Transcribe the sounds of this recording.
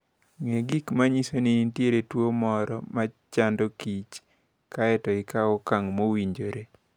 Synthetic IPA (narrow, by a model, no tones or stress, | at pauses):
ŋeɡikmaɲisoniintjeɾetwomɔɾɔmat͡ʃandokit͡ʃ | kaɛtɔɪkaɔkaŋmowiɲd͡ʒoɾe